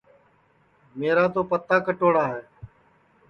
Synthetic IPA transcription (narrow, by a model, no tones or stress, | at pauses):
meːɾaːt̪oːpət̪ːaːkəʈoːɽaːɦɛː